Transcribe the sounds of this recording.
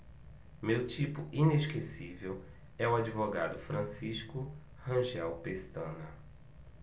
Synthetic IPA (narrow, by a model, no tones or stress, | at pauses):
mewt͡ʃipʊʔineʃkesivew | ɛuad͡ʒivoɡa̰d̪ʊfɾɐ̃siʃkʊ | hɐ̃ʒɛwpest̪ɐ̃nɐ